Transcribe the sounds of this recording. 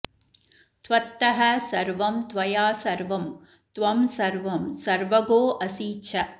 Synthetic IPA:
t̪ʋɐt̪ːɐɦɐsɐɾʋɐmt̪ʋɐjaːsɐɾʋɐm | t̪ʋɐmsɐɾʋɐmsɐɾʋɐɡoːʔɐsiːt͡ʃʰɐ

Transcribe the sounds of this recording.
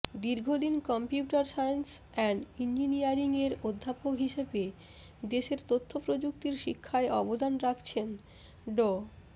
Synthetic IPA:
d̪iɾɡʱod̪inkɔmpjuʈaɾsajnsɛɳɖind͡ʑinijaɾiŋeɾod̪ʱːapokɦiʃebe | d̪eʃeɾt̪ot̪ʰːopɾod͡ʑuk̚t̪iɾʃikʰːaeʔɔbod̪anɾakʰt͡ɕʰen | ɖo

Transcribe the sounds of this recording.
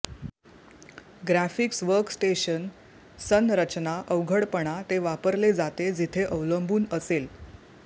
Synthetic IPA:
ɡɾæfiksʋəɾksʈeɕən | sənɾət͡ɕnaʔəʋɡʱəɽpəɳ̃at̪eʋapəɾled͡zat̪ed͡zit̪ʰeʔəʋləmbuːnəsel

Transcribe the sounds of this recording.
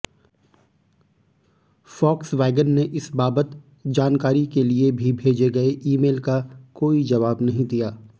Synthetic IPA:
fɔːksʋɛːɡənːeʔɪsbaːbət̪ | d͡ʒaːnkaːɾikeliebʱibʱeːd͡ʒeɡɐeʔiːmeːlkakoːid͡ʒɐʋaːbnɐɦĩd̪ijaː

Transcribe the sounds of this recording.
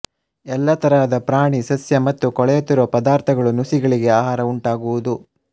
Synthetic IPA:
ɛlːɐt̪ɐɾaːɐd̪ɐpɾaːɳisɐsjɐmɐt̪ːukɔɭɛjot̪ːiɾʋɐpɐd̪aːɾt̪ʰɐɡɐɭunusiɡɐɭiɡe̞aːɦaːɾɐuɳʈaːɡuʋud̪u

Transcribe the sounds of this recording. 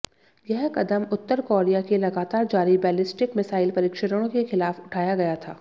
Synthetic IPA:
jɐɦkɐd̪əmʊt̪ːəɾkoːɾijakelɐɡaːt̪aːɾd͡ʒaːɾibɛːlɪsʈɪkmɪsaːɪlpɐɾɪːkʃəɾəɽ̃õkexɪlaːfʊʈʰaːjaɡɐjat̪ʰaː

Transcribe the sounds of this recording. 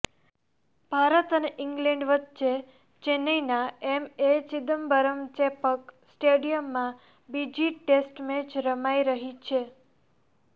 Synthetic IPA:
b̥ʱaɾət̪əneʔɪŋɡlẽɳɖʋət̪t͡ʃe | t͡ʃenəjnaemet͡ʃid̪əmbəɾəmt͡ʃepəksʈeɽijəmːã | bid͡ʒiʈesʈmet͡ʃɾəmaiɾəɦit͡ʃʰe

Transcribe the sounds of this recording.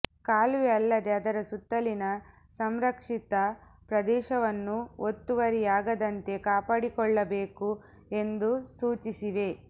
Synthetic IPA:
kaːlʋeɐlːɐd̪e̞ɐd̪ɐɾɐsut̪ːɐlinɐ | sɐmɾɐkʂit̪ɐpɾɐd̪ɛːʃɐʋɐnːuot̪ːuʋɐɾijaːɡɐd̪ɐnt̪e̞kaːpaːɽikɔɭːɐbeːku | e̞nd̪usuːt͡ʃisiʋe̞

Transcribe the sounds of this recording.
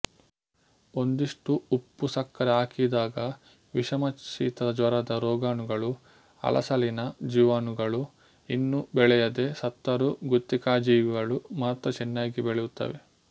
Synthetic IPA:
o̞nd̪iʂʈuupːusɐkːɐɾeaːkid̪aːɡɐ | ʋiʃɐmɐt͡ʃḭːt̪ɐd̪ɐd͡ʒʋɐɾɐd̪ɐɾɔːɡaːnuɡɐɭu | ɐ̰lʔɐ̰sɐlinɐd͡ʒiʋaːnuɡɐɭu | inːubɛɭɛjɐd̪e̞sɐt̪ːɐɾuɡut̪ːikaːd͡ʒiːɡɐɭumaːt̪ɾɐt͡ʃɛnːaːɡibɛɭɛjut̪ːɐ̰ʋe̞

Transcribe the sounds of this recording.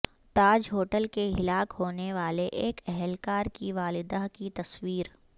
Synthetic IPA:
t̪aːd͡ʒɦoːʈəlkeɦɪlaːkhoːneʋaːleʔeːkɛɦɛlkaːɾkiʋaːlɪd̪akit̪ɐswiːɾ

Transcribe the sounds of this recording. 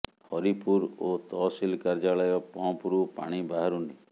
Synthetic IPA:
hɔɾipuɾot̪ɔsilkaɾd͡ʒalɔjɔpɔ̃puɾupa̰ɽ̃ibaɦaɾuni

